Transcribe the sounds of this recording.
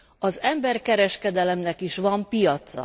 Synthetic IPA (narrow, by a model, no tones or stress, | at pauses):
ɒzɛmbɛrkɛɾɛʃkɛd̪ɛlɛmnɛkiʃʋɒmpijɒt̪sɒ̰